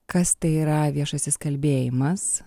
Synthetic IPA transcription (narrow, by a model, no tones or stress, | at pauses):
kɐst̪ɐɪiːɾɐʋʲiɛʃɐsʲɪskɐlʲbʲeːjɪmɐs